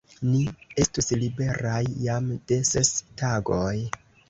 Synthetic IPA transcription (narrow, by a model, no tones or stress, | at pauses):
nie̞stuslibe̞ɾajːamd̥e̞se̞staɡoj